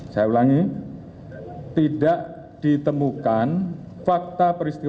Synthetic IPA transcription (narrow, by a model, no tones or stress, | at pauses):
sajaulaŋi | t̪idaʔ | d̥it̪əmukan | fak̚t̪apəɾist̪i